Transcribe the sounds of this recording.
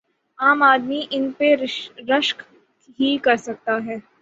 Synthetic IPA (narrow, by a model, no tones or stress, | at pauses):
aːmaːd̪miʔɪnpeɾɐʃk | ɦikɐɾsɐk̚t̪aɦɛː